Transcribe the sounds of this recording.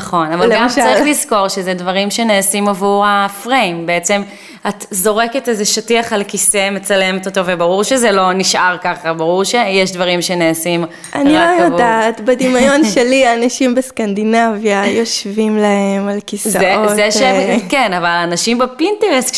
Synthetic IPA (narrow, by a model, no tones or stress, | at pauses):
χo̞navalɡamaʁiχlizko̞ʁʃezedvaʁimʃeneːsimavuʁafʁejmbeet͡se̞m | at̪zo̞ʁeke̞tezeʃatiaχalkiseme̞t͡sale̞met̪ot̪ovebaʁuʁʃezelo̞niʃʔaʁkaχabaʁuʁʃejeʃdvaʁimʃeneːsim | ʔaniloajadaːt̪bad̪imajo̞nʃeliaːnaʃimbeskand̪inavjajo̞ʃvimlae̞malkiszaeozeʃekenavalaːnaʃimbepintevest